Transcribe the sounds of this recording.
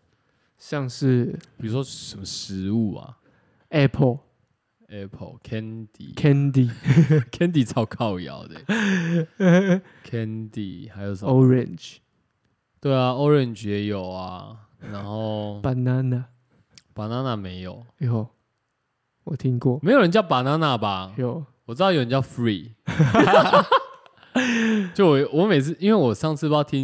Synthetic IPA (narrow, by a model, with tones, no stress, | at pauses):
ɕja˥˧ŋʂ̩˥˨pi˨˩u˦swɔ˦sə˨nmə˨ʂɻ̩˧˦u˥˨a̰˨ | ɛ˦pʰɔ˨˧ | ɛ˦pʰɔ̰˨kʰɛ˦nd̪ḭ˨kʰɛ˦nd̪i˨kʰɛ˦nd̪i˨t͡sʰa˥˧˨ʊkʰa˥˨ʊja̰˨˦ʊd̪e˨˦ | kʰɛ˦nd̪i˨ha˨˦ɪjo˨sə˨ɔ˦ɹɛ˨nd͡ʒ | t̪we˥˩ɪa˨o˦ɹɛ˥˨nd͡ʒjɛ˨˦jo˨˩ʊa˦ | na˨˦nxo˥˨ʊpa˨˦na˦na˨ | pa˨˩na˦na˥˨mẽ˨˦ɪjo˨˩ʊ˧ho˥˨ | wɔ˨t̪ʰi˦ŋkwɔ˥˨me˧˥jo˨˩ɻə˦nt͡ɕjɑ˥˩ʊpa˨˩na˦na˥˨ba˨jo˨wɔ˨˩t͡sɨ˥d̪ɑ˥˧˨jjə˨˦t͡ɕjʊfɹi˨ | jo˥˩ʊwɔ˨wɔ˨˦me˨˩ɪt͡sʰɨ˥˨˩ʔi˦nwe˥˩wɔ˨˩ʂɑ˥˧ŋt͡s̩ʰ˥˧pɑ˥˧˩t̪ʰi˦